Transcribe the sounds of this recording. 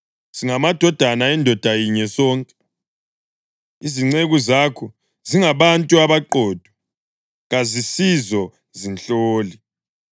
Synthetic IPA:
z̥iŋamad̥ʱɔd̥ʱanaɛndʱɔd̥ʱajiɲɛsɔːŋkʼɛ | iziŋ͡ǀeɣuzaːkʰɔ | ziŋaβantʼuaβaǃɔːd̥ʱwɔ | ɣazisizɔ | zinɬoːli

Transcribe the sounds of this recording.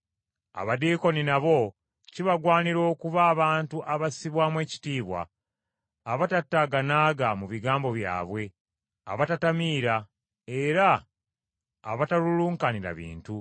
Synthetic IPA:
a̰βadiːko̞ninaβo̞ | ciβaɡwaːniɾo̞ːkuβaːβaːntuʔaβasiβwaːmwe̞ːci̥tiːβwa̰ː | βatatːaɡanaːɡamuβiɡaːmbo̞βja̰ːβwe̞ | a̰βatatamiːɾa | e̞ɾa | βataluluːŋkaniɾa̰βḭːntu

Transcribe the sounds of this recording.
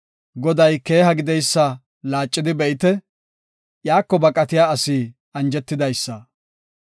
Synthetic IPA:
ɡɔd̪ɐjke̞ːɦɐɡɪd̪ɛjsːɐ | laːt͡ʃʼːɪd̪ɪbɛɪt̪ɛ | jaːkːɔbɐkʼɐt̪ɪjaːɐsiː | ɐnd͡ʒɛt̪ːɪd̪ɐjsːɐ

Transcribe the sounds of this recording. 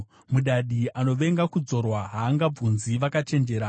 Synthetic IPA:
muɗaɗiano̞ʋe̞ŋɡakud͡zo̞rwaɦaːŋɡab͡vunziʋakat͡ʃe̞nd͡ʒe̞ɾa

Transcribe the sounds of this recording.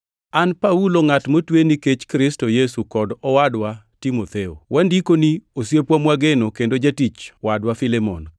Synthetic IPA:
anpauloŋatmotweniket͡ʃkɾɪstojɛsukɔdɔwadwa | timot̪eo̰wʔandikoniosjepwamwaɡenokendod͡ʒatit͡ʃwadwafɪlemɔ̰n

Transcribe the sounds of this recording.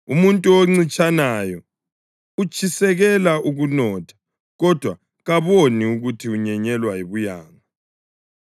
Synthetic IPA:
umuntʼuoŋ͡ǀit͡ʃʼanajɔ | ut͡ʃʼʰisɛɣɛlaʔuɣunɔːtʰḁ | ɣɔd̥ʱwa | ɣaβoniuɣutʰiuɲɛɲɛlwaiβujaːŋa

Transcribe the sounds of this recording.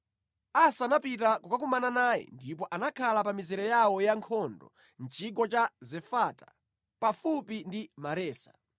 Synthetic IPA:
asanapitakukak̬umananaːjɛ̰ndip̬ɔʔanakʰalapamizɛɾɛjawɔjaŋkʰɔndɔ̰ | nt͡ʃʰiɡɔt͡ʃazɛfatḁ | pafupindimaɾɛːsḁ

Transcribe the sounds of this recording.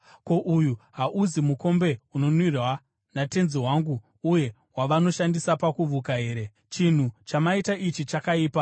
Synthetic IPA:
ko̞ʔujuɦaʔuzimuko̞mbe̞uno̞nwirwa | nate̞nziwaŋɡu | uje̞ | ɦwaʋano̞ʃandisapakuvʱukaɦe̞ːɾe̞ | t͡ʃin̤ut͡ʃamaitaʔit͡ʃit͡ʃakaiːpa

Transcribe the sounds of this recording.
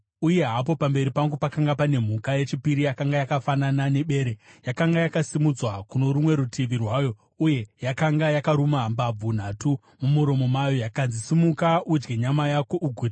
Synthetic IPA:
uje̞ɦap̬o̞pambe̞ɾipaŋɡupakaŋɡapane̞m̤ukaje̞t͡ʃipiɾijakaŋɡajakafananane̞ɓe̞ːɾejakaŋɡajakasimud͡zwakuno̞ɾumwe̞ɾutʰiʋirwaːjo̞ | uje̞jakaŋɡajakaɾumambab͡vun̤atu | mumuɾo̞mo̞majo̞jakanzisimukaud͡ʒɡeɲamajakoʔuɡʱuːd

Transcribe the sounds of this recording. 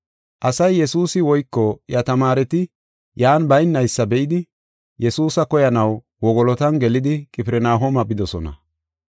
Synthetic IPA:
ʔɐsɐjːɛsuːsɪwɔjkːɔjɐt̪ɐmaːɾɛt̪ɪ | jaːnbɐjnːɐjsːɐbɛʔɪd̪ɪ | jɛsuːsɐkɔjɐnɐw | wɔɡɔlɔt̪ɐnɡɛlɪd̪ɪkʼɪpɪɾɛnaːɦɔmɐbɪd̪ɔsɔnɐ̰

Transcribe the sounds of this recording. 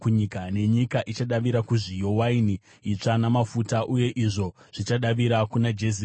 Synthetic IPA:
kuɲikane̞ɲikaʔit͡ʃaɗaʋiɾakuʐijo̞wainiː | t͡ʂanamafutaʔuje̞ʔiʐo̞ʐ̥it͡ʃaɗaʋiɾakunad͡ʒes̬i

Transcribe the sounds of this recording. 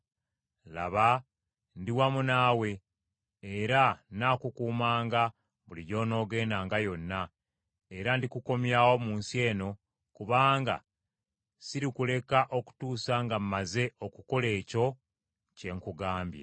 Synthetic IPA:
la̰βa | ndiwamunaːwe̞ː | ɾanaːkukuːmaːŋɡa | βuliɟo̞ːno̞ːɡe̞ːnaːŋɡajo̞nːa | e̞ɾandikuko̞mjawo̞muːnsie̞ːno̞ | kuβaːŋɡa̰ | siɾikule̞kaʔo̞ku̥tuːsaŋɡamːaze̞o̞kuko̞le̞ːco̞ | ce̞ŋkuɡaːmbja̰

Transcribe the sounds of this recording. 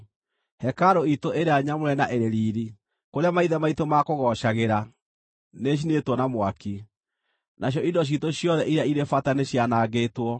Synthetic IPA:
hɛkaɾoitoʔeɾeaɲamoɾɛnaʔeɾeɾiːɾi | koɾeamaiðɛmaitomakoɣɔɕaɣeɾa | neɕ̬inetwɔnamwaki | naɕ̬jɔʔidɔitoɕjɔðɛʔiɾeaiɾefataneɕjanaːɣetwɔ

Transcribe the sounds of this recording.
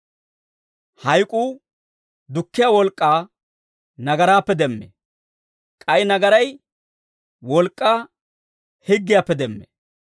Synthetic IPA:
hɐjkʼuː | d̪ʊkːɪjaːwɔlkʼːaː | nɐɡɐɾaːpːɛd̪ɛmːḛ | kʼɐjnɐɡɐɾɐj | wɔlkʼːaː | hɪɡːɪjaːpːɛd̪ɛmːḛ

